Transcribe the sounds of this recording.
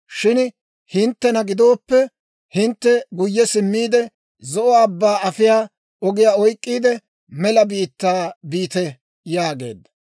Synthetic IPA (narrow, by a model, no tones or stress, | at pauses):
ʃɪn | hɪnt̪ːɛnɐɡɪd̪o̞ːpːɛ | hɪnt̪ːɛɡʊjːɛsɪmːiːd̪ɛ | zɔʔɔɐbːaːɐfɪjaː | ɔɡɪjaːɔjkʼːiːd̪ɛ | mɛlɐbiːt̪ːaːbiːt̪ɛ | jaːɡe̞̰ːd̪ːɐ̥